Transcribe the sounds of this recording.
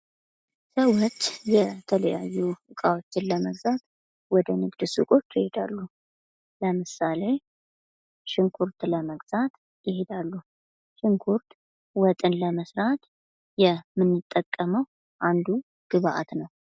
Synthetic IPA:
səwot͡ʃːjɛt̪ʰələja̰jːuɨkʼawot͡ʃːɪnləməɡzat̪ | wɔd̪ənɨɡd̪ɨsɨkʼo̞t͡ʃːjɪhed̪alːu | ləmɨsale̞ | ʃɪŋkʰuɾt̪ləməɡz̥at̪ | jɪhed̪alːu | ʃɪŋkʰuɾt̪ | wɔt̪ʼɨnləməsɾat̪ | jɛmɨnːɨt̪ʼːəkʼːəməw | ʔand̪u | ɡ̥ɨβaʔa̰t̪nəw

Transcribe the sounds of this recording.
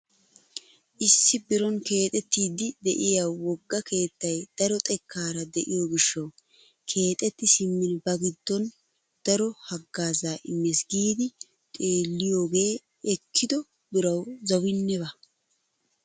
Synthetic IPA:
ʔɪsːɪbɪɾɔnke̞ːt̪ʼɛt̪ːiːd̪ɪd̪ɛʔɪjawɔɡːɐkʰe̞ːt̪ːɐjd̪̥ɐɾɔt̪ʼɛkʰːaːɾɐd̪ɛʔɪjoːɡɪʃːɐw | kʰe̞ːt̪ʼɛt̪ːɪsɪmːɪnbɐɡɪd̪ːɔn | d̪̥ɐɾɔhɐɡːaːzaːʔɪmːeːsɡiːd̪ɪ | t̪ʼeːlːɪjo̞ːɡe̞ː | ɛkʰːɪd̪ɔ | bɪɾɐwzɐwɪnːɛbɐ

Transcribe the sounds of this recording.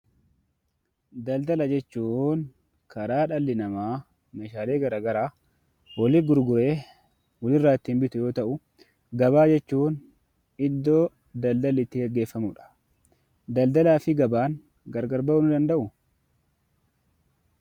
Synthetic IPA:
d̪ɐld̪ɐlɐd͡ʒɛt͡ʃːuːn | kʰɐɾaːᶑɐlːɪnɐmaː | meːʃaːle̞ːɡɐɾaːɡɐɾaː | wɔlɪɡʊɾɡʊɾe̞ː | wɔlɪrːaːt̪ːiːmbɪt̪ʊjo̞ːt̪ɐʔʊ | ɡɐbaːd͡ʒɛt͡ʃːuːn | ɪd̪ːo̞ː | d̪ɐld̪ɐlɪt̪ːɪɡɛɡe̞ːfːɐmʊᶑɐ̥ | d̪ɐld̪ɐlaːfɪɡɐbaːŋ | ɡɐɾɡɐɾbɐwnʊd̪ɐnd̪ɐʔʊ

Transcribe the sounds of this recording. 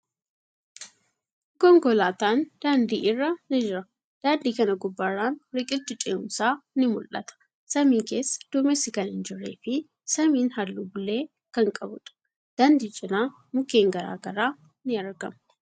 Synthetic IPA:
kɔŋɡɔlaːt̪aːnd̪̥aːnd̪iːʔɪrːɐnɪd͡ʒɪɾɐ | d̪̥aːnd̪iːkɐnɐɡʊbːarːaːnɾɪkʼɪlt̪ːɪt͡ʃʼɛʊ̰msaːnɪmʊlʔɐ̰t̪ɐ̥ | sɐmiːŋke̞ːsːɐ̥d̪̥ʊmɛsːɪkɐnhɪnd͡ʒɪrːḛːfɪ | sɐmiːnhɐlːuːbʊlːe̞ː | kɐŋkʼɐbʊᶑɐ̥ | d̪̥aːnd̪iːt͡ʃʼɪnaː | mʊke̞ːŋɡɐɾa̰ːɡɐɾaː | nɪɐɾɡɐm

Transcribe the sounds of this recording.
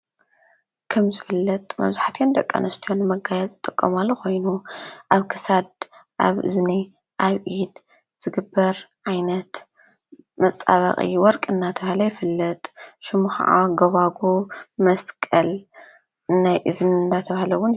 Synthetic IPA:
kʰɐmzɨfɨlːɐt̪ʼmɐ̰βzaħat̪ʰjand̪ɐkʼːa̰nʔɐst̪ʰijonːɨmɐɡajɛzʼɨt̪ʼɨkʼːo̰malːoko̞jnuʔaβkʰɨsad̪ʔa̰βɨ̰zni | ʔaβʔid̪ | z̥ɨɡɨbːɐɾʕajnɐt̪ | mɐt͡sʼa̰βɐ̰χʼḭwɔɾkʼɨnːat̪ʰɐβahalɐjɪfɨlːɐt̪ʼʃɪmuxa̰ʔa̰ɡɐβaɡomɐskʼɐl | najʔɨzɨmɨnd̪at̪ʰɐβahlɐwːʊn

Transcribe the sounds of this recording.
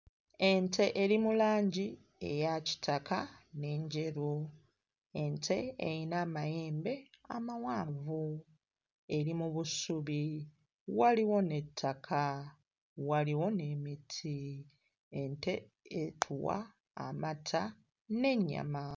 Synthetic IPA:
e̞ntʰe̞ʔeɾimulaːɲɟi | e̞̰jaci̥tʰakane̞ɲɟeɾu | e̞ntʰeejinaːmajeːmbe̞a̰mawaːɱvu | e̞ɾimuβusuβi | waliwo̞ne̞tʰːakʰa | waliwo̞ne̞mitʰi | ente̞ | etʰuwa̰ | a̰matʰa | ne̞ɲːa̰ma

